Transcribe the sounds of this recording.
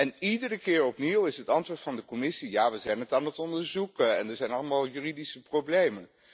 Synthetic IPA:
ɛnidərəkɪːɹɔpniwɪsɦətɑntʋʊːɹtfɑndəkɔmɪsijaːʋəzɛjnətaːnətɔndəɹzukəɛndəɹzɛjnɑlˠəmaːlˠjyːridisəprowblejmən

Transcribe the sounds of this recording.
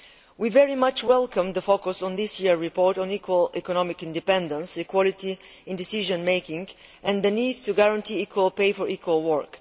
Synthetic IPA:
wivɛɹimʌt͡ʃwɛlˠkə̃md̪əfokʊsɔ̃nðɪsjiɹɹipɔɹtɔ̃nikʰwəlɛkɔnɔmɪkɪ̃ndɨpɛ̃ndə̃nsikwɔlitiɪ̃ndɪsiʒə̃nmeɪkɪ̃ŋʔɛ̃nd̪əniːd̚tuɡaɹãntʰiikʰwəlˠpeɪfɔɹʔikwəlˠwəɹk

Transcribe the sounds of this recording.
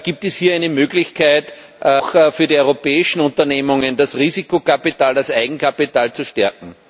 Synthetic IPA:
ɡ̥iːp̚tɛshiːɐæɪnəmøːɡlɪçkʰaɪt | ʔxfyːɐɾiɔʏʁopɛːɪʃn̩ʊ̃ntɐneːmʊŋəndasʁiːzikokapitaːldasʔaɪɡŋ̩kʰapitaːlt͡suʃtɛɐkŋ̩

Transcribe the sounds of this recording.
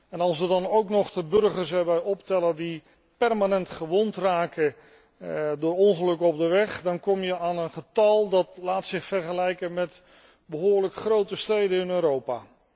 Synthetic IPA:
ɛnɑlˠsʋədɑnowknɔχdəbɵrχəɹsɛbɛjɔptɛlədi | pɛrmanɛntχəʋɔntraːkə | dʊːɹɔŋχəlɵkəɔb̚dəʋɛχdɑnkɔmjəʔaːnənχətɑlˠdɑtlaːtsɪχfɛɹχəlɛjkənmɛt | bəɦʊːɹləkχrowtəstrejdənɪnøːɾowpaː

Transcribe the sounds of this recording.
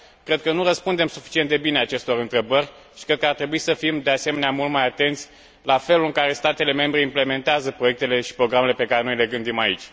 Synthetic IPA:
kɾe̞d̪̚kənurəspund̪e̞msufi̥t͡ʃint̪d̪e̞bineat͡ʃe̞st̪o̞ɾɨnt̪ɾe̞bərʲ | ʃi̥kɾed̪kəart̪ɾe̞buisəfimd̪ease̞meneamult̪majat̪e̞nt̪sʲ | lafe̞luɨŋkaɾe̞st̪at̪e̞le̞me̞mbɾe̞imple̞me̞nt̪eazəpɾo̞je̞k̚t̪e̞le̞ʃi̥pɾo̞ɡɾame̞le̞pe̞kaɾeno̞jle̞ɡɨnd̪imaḭt͡ʃʲ

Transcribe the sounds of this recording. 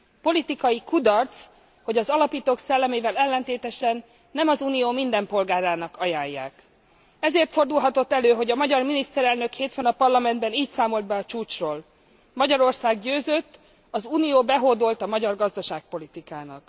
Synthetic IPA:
po̞lit̪ikɒjikud̪ɒrt̪s | ho̞ɟɒzɒlɒpiːt̪oːksɛlːɛmeːvɛlɛlːɛnt̪eːt̪ɛʃɛnː | ɛmɒzuːnijoːmind̪ɛmpo̞lɡaːɾaːnɒkɒjaːjːa̰ːk | ɛzeːrt̪fo̞rd̪ulɦɒt̪o̞t̪ːɛløːɦo̞ɟɒmɒɟɒrminist̪ɛɾɛlnø̞kheːt̪fønɒpɒrlɒmɛnd̪bɛniːcsaːmo̞ld̪̚bɛɒt͡ʃuːt͡ʃroːl | mɒɟɒɾo̞rsaːɡɟøːzøt̪ː | ɒzuːnijoːbɛɦoːd̪o̞lt̪ɒmɒɟɒrɡɒzd̪ɒʃaːk̚po̞lit̪ikaːnɒ̰k

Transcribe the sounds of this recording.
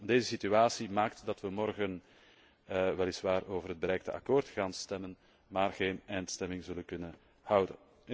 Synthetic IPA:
deːzəsityaːsimaːk̚tdɑtʋəmɔrɣən | ʋɛlɪsʋaːroːvərɦəd̚bəɾɛjk̚təʔa̰koːrtxaːnstɛmən | maːrɣeːnɛjnstɛmɪŋzɵlənkɵnən | hʌwdə̰

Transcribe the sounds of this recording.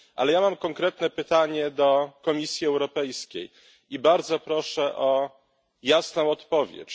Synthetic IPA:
ʔa̰lɛjamamkɔŋkɾɛt̪nɛpɘt̪aɲɛd̪ɔkɔmʲisʲjiɛwɾɔpɛjskʲej | ibaɾd̪zɔpɾɔʂɛʔɔ | jasnɔ̃w̃ɔt̪pɔvʲjɛ̰t͡ɕ

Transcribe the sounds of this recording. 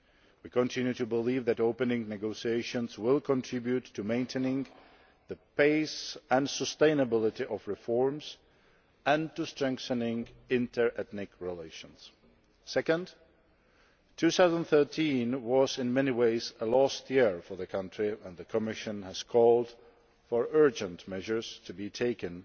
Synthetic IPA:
wikɨ̃ntʰɪ̃njʉtʰɨbɪlivðɨɾoʊpɨ̃nɪ̃ŋnɨɡoʊsieɪʃɨ̃nzwɪlˠkʰə̃ntʰɹ̥ɪbjʉtʰːɨmẽɪ̃ntʰenɪ̃ŋ | ðɨpʰeɪsə̃nsəstẽɪ̃nəbɪlˠɪɾiʔʌvɹɪfɔɹmz̥ | ɨ̃ntɨstɹ̥ɛ̃ŋkθənɪ̃ŋɪ̃ntʰə˞ʔɛθnɪkɹɪleɪʃɨ̃nz̥ | sɛkə̃nd | tʰʉθaʊzn̩θɜ˞tʰĩnwʌzɨ̃nmɛniweɪzəlɔstjɪɹfə˞ðɨkʰʌ̃ntʰɹ̥iə̃nðɨkʰəmɪʃɨ̃nɨz̥kʰɔlˠd̥ | fə˞ɜ˞d͡ʒɨ̃ntmɛʒə˞z̥tʰɨbitʰeɪkɨ̃n

